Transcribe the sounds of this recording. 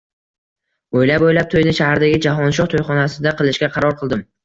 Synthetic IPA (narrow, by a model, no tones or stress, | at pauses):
ojlapojlap̚t̪ʰojnɪʃahaɾd̪aɡʲɪd͡ʒaɦɒnʃɒχt̪ʰojχɒnasɪd̪aqɨlˠɪʃɡʲaqʰɑɾɒɾqʰɨlˠd̪ɪm